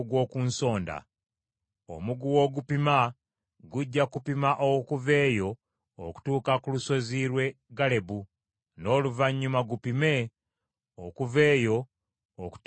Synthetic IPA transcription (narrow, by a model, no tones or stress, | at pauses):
ɡwo̞ːkunso̞ːnda̰ | o̰muɡuwo̞ɡupima | ɡuɟːakupimaʔokuve̞ːjo̞ː | ku̥tuːkakuluso̞ziːɾwe̞ɡale̞bu | no̞ːluvaɲːumaɡupime̞ | okuve̞ːjo̞ | oku̥